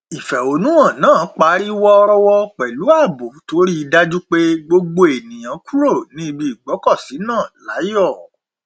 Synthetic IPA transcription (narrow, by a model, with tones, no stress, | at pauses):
i˨fɛ˨o˨˦nũ˦ã˦˨nãː˦˨˦k͡pa˨˦ɾi˦wɔ˦ɔ˧ɾɔ˧wɔ˦k͡pɛ˨lu˨˦a˦˨bu˨to˨˦ɾi˦i˧da˦d͡ʒu˦k͡pe˦ɡ͡bo˧ɡ͡bo˧e˨nĩ˨j̃ã˨˦ku˦ɾo˦˨nĩ˦i˦˧bi˧i˨ɡ͡bɔ˨˦kɔ˦˨si˨˦nãː˦˨la˨˦jɔ˦˨